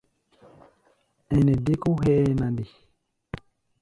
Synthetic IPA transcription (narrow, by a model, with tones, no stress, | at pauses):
ɛ˨nɛ˨de˦ku˦ɦɛː˦nã˨di˨